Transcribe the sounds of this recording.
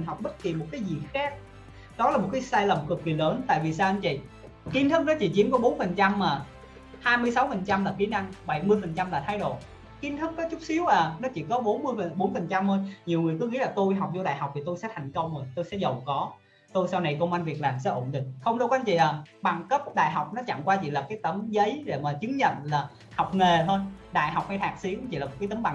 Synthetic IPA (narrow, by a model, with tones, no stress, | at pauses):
nɦa˨˩k͡p̚ɓə˦˥t̚ki˨˩mo˨˩t̚kaː˨˦jzi˨˩xaː˦˥k̚ | ɗɔ˨˦laː˨˩mo˨˩t̚kaː˨˦jsaː˧jlə˨˩m˨˩kɨ˨˩k̚ːi˨˩ləː˨˦nt̪a̰ː˧˨jvi˨˩saː˧wʔa˧ŋt͡ɕḭ˧˨˩ | ki˧˦nt̪ʰɨ˦˥k̚nɔ˨˦t͡ɕḭ˧˩t͡ɕi˨˦əmkɔ˨˦ɓo˨˦nfə˨˩nt͡ɕa˧mːaː˨˩ | haː˧jmɨ˧əjsa˨˦wfə˨˩nt͡ɕa˧mlaː˨˩ki˨˦na˧ŋɓə˧˩jmɨ˧əjfə˨˩nt͡ɕa˧mlaː˨˩t̪ʰaː˧jɗo̰˧˨ | ki˨˧nt̪ʰɨ˦˥k̚kɔ˨˦t͡ɕʊ˦˥k͡p̚si˨˦əwʔaː˨˩nɔ˨˦t͡ɕḭ˧˩kɔ˨˦ɓo˨˦nmɨ˧əjə˨˩ɓo˨˦nfə˨˩nt͡ɕa˧mho˧jɲi˨˩əwŋɨ˨˩əjkɨ˨˦ŋḭ˧˥laː˨˩t̪o˧jɦa˨˩wk͡p̚zɔ˧ɗa̰ː˧˨jɦa˨˩wk͡p̚t̪ʰi˨˩t̪o˧jsɛ̰˧˥t̪ʰa˨˩jŋ̟kə˧wŋ͡mzo˨˩jt̪o˧jsɛ̰˧˥zə˨˩wkɔ˨˦ | t̪o˧jsa˧wna˨˩jkə˧ŋ͡mʔa˧nvi˨˩ək̚laː˨˩msɛ̰˧˥ʔo̰˧˩nɗï˨˩ŋ̟xə˧wŋ͡mɗo˧wka˧˦nt͡ɕḭ˧˨ʔaː˨˩ɓa˨˩ŋkə˦˥p̚ɗa̰ː˧˨jɦa˨˩wk͡p̚nɔ˨˦t͡ɕa̰˧˨ŋkwaː˧t͡ɕḭ˧˨laː˨˩kaː˨˦jt̪ə˨˦mzə˨˦jɗe˧˩maː˨˩t͡ɕɨ˨˦əŋɲə̰˧˨nlaː˨˩ | ha˨˩wk͡p̚ŋe˨˩t̪ʰə˧jɗa̰ː˧˨jɦa˨˩wk͡p̚hjt̪ʰaː˨˩k̚si˨˦əkt͡ɕḭ˧˨laː˨˩m˨˩kːaː˨˦t̪ə˨˦mɓa˧˩ŋ